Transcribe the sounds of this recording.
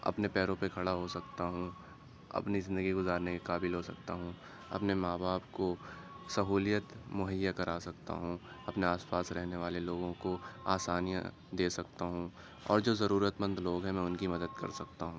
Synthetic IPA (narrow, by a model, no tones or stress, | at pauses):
ɐ̰pnepɛːɾõpekʰɐɽaɦosɐkt̪aɦũ | ɐ̰pnizɪ̃nd̪əɡiɡʊzaːɾnekekaːbɪlɦosɐk̚t̪aɦũː | ɐ̰pnemaːbaːpko | sɐɦuːlijət̪mʊɦəjːakɐɾaːsɐkt̪a̰ɦũː | ɐpneaːspaːsɾɛɦneʋaːleloːɡõkoaːsaːnija̰ | d̪eːsɐkt̪aɦũː | ɔ̰ːɾd͡ʒoːzɐɾuːɾət̪mə̃nd̪loːɡɦɛ̃mɛ̃ːʊnkimɐd̪əd̪kɐ̰ɾsɐkt̪aɦũː